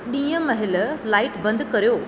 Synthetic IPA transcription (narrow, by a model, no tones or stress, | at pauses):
ɗĩːjəmɐɦɪllaːɪʈbə̃nd̪kɐɾjoː